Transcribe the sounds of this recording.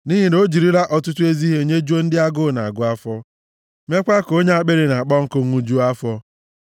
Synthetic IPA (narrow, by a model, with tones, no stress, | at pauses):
ni˦ɦi˦no˦d͡ʒi˨ɾi˦ɾa˦ʔɔ˨tʊ˦tu˦e˦zi˦ɦe˦˨ɲe˦d͡ʒu˦o˦n̩˦dɪ˦a˦ɡʊ˦˨na˨a˨ɡʊ˦a˦fɔ˦ | me˦kʷa˦ko˦ɲe˦a˦k͡pe˦ɾe˨na˨a˨k͡pɔ˦ŋ̩˦kʊ˦ŋu˦d͡ʒu˦a˦fɔ˦